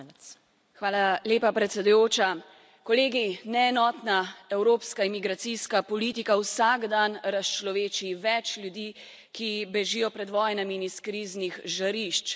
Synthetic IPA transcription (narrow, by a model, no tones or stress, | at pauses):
xʋaːlaleːpapɾɛt̪sɛd̪ujoːt͡ʃa | kɔleːɡinɛːnɔːt̪naɛwɾoːpskaimiɡɾat̪siskapɔliːt̪ikawsaɡd̪anɾast͡ʃlɔʋeːt͡ʃiʋɛt͡ʃlʲjud̪iː | kibɛʒijɔpɾɛd̪ʋɔːjnamiiniskɾiːznixʒaɾiʃt͡ʃ